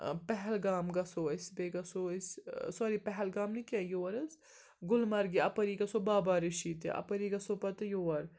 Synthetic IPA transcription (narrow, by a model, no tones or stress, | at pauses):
pɛɦɛlɡaːmɡɐsoːisbeːɡɐsoissɐɾipɛɦɛlɡaːmnikʲɐjoːɐɾɐs | ɡʊlmɐɾɡiɐpɐɾiːɡɐsoːbaːbaːɾiʃiːt̪ḭʔɐ̰pɐɾiːɡɐsopɐt̪ɐjoːɐɾ